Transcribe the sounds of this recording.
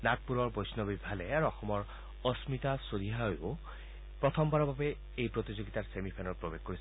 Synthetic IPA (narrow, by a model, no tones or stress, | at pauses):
nak̚puɹɔɹbojsnɔbibʱalɛaɹuɔxɔmɔɹ | ɔsmit̪asodiɦajo | pɹɔt̪ʰɔmbaɹɔbabɛ | ejpɹot̪izoɡitaɹsemipʰenɔtpɹobexkoɹis